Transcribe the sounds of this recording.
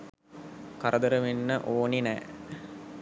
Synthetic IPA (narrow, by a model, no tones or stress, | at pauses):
kɐɾʔɐd̪əɾəʋenːəʔoːninɛ̰ː